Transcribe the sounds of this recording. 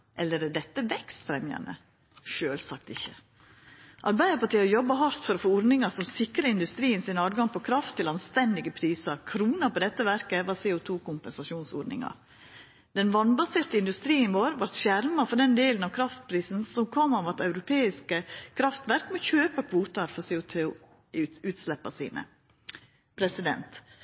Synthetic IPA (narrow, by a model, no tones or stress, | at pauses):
ʔɛlːəɾd̪ɛt̪ːəʋɛkst̪fɾɛmjɑ̰nə̰ | ʂøːlsɑk̚t̪ɪçːə | ʔɑ̰ɾbæɪd̪əɾpɑʈ̪ʰiːəjɔbːɑɦɑɾt̪fɔɾɔfoːʊɾnɪŋɑsɔmsɪkɾəɪnd̪ʉst̪ɾiːənsɪnɑːd̪ɡɑŋpʰɔkʰɾɑft̪ʰːɪlɑnst̪ɛnd̪ɪɡəpʰɾiːsɑɾkʰɾuːnɑpɔd̪ɛt̪ːəʋæɾkəʋɑɾsɛːʊt̪ʰuːkʊmpɛnsɑʂuːnso̰ːɾnɪ̰ŋɑ̰ɾ | d̪̥ɛnʋɑnbɑseːɾt̪əɪnd̪ʉst̪ɾiːənʋoːɾʋɑɾt̪ʃæɾmɑfɔɾɖ̪ɛnd̪eːlənɑʋkʰɾɑft̪̚pʰɾiːsn̩sɔmkʰɔmːɑʋɑt̪ɑʉɾʊpʰeːɪskəkʰɾɑft̪ʋæɾkmɔçøːpɑkʰʋuːt̪ɑɾfɔsɛːʊt̪ʰuː | ʉːt̪slɛpːɑsḭːnə̰ | pʰɾɛsɪd̪ɛ̰nt̪